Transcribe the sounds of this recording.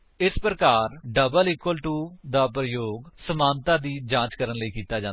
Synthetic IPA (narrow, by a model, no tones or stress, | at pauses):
ɪspɾəkaːɾɖəbəliːkwəlʈuːd̪aːpɾəjoːɡsəmãːnt̪ãːd̪iːd͡ʒãːt͡ʃkəɾənləiːkiːt̪aːd͡ʒãːn